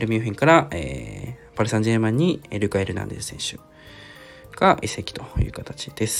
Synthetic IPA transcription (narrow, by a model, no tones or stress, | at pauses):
ɾɯ̟mʲɨːɸʲĩŋkaɾaḛːpaɾɯsãɲd͡ʑeɯmãɲ̟ːieɾɯ̟kaeɾɯ̟nã̰nd̪essẽ̞ɕɨ̰ | ɡ̥aʔisekʲi̥t̪o̞jɯ̟̰ːkat̪at͡ɕid̪̥e̞sɨ̥